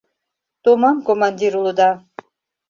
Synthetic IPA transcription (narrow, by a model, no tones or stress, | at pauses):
t̪umɑmkomand̪iɾulˠud̪a